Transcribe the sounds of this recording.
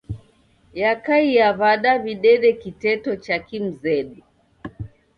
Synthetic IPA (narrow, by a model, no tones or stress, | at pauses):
jakaijaβaɗaβiɗɛɗɛkitɛtɔt͡ʃakim̩zɛɗu